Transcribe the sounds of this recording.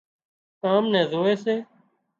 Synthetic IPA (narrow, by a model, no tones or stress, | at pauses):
kaːmnɛ̃ːzoːeːseː